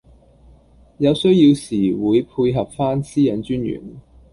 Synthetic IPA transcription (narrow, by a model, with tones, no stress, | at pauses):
jɐ˨˧wsɵ˥ɥjiː˧wsiː˨˩wuː˨˧jpʰuː˧jɦɐ˨p̚faː˥nsiː˥jɐ˨˥nt͡ʃyː˥njy̰˨˩n